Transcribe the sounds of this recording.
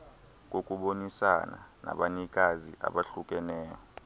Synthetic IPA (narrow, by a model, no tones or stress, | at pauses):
k̬ʼokʼuɓonisana̰na̰ɓaɲik̬ʼazḭʔa̰ɓaɬuk̬ʼɛnɛːjɔ